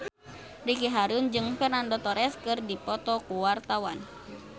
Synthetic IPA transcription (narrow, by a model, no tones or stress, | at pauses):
dikiɦaɾund͡ʒɨŋfɛrnandɔt̪ɔɾɛskɨrdipɔt̪ɔkuwart̪awan